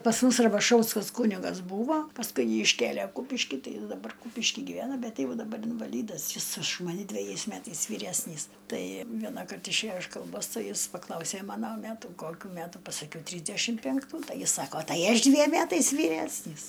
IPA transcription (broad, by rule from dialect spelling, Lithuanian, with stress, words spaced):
pɐs ˈmʊs rɐbɐˈʃɐʊskɐs ˈkuːnʲɪɡɐs ˈbuːʋoː pɐsˈkʊɪ ˈjiː ɪʃʲˈkʲeːlʲeː ˈkuːpʲɪʃʲkʲɪ ˈtɐɪ ˈjɪs dɐˈbɐr ˈkuːpʲɪʃʲkʲɪ ɡʲiːˈʋʲæːnɐ ˈbʲɛt ˈjɛʊ dɐˈbɐr ɪnʋɐˈlʲiːdɐs jɪs ʊʃ mɐˈnʲɛ dʲʋʲɛˈjɛɪs ˈmʲætɐɪs ʋʲiːˈrʲæsʲnʲiːs ˈtɐɪ ˈʋʲiɛnɑːkɐrt ɪʃʲˈeːjoː ɪʃ kɐlˠˈboːs ˈtɐɪ ˈjɪs pɐˈklˠɐʊsʲeː ˈmɑːnoː ˈmʲætuː ˈkoːkʲuː ˈmʲætuː pɐsɐˈkʲɛʊ ˈtʲrʲiːzʲdʲæʃʲɪm pʲæŋkˈtuː ˈtɐɪ ˈjɪs ˈsɑːkoː ˈtɐɪ ˈɐʃ ˈdʲʋʲiɛm ˈmʲætɐɪs ʋʲiːˈrʲæːsʲnʲiːs